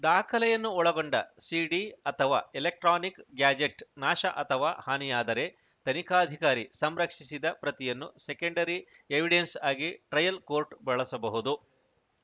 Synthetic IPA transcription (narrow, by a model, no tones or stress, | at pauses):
d̪aːkʰɐlɛjɐnːuɔɭɐɡoɳɖɐsiːɖiɐt̪ʰɐʋaːelek̚ʈɾaːnikɡjaːd͡ʒeʈnaːʃɐʔɐt̪ʰɐʋaːhaːnijaːd̪ɐɾe̞ | t̪ɐnikʰaːɐd̪ʱikaːɾisɐmɾɐkʂisid̪ɐpɾɐt̪ijɐnːusekɐɳɖɐɾi | eʋiɖensaːɡiʈɾɐjɐlkoːɾʈbɐɭɐsɐbɐɦud̪u